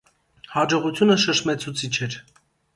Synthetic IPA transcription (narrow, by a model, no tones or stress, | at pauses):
hɑd͡ʒɔʁut͡sʰjunəʃəʃmɛt͡sʰut͡sʰit͡ʃʰɛɾ